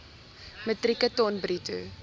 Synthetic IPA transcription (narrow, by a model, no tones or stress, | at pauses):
mətrikətɔnbritṵ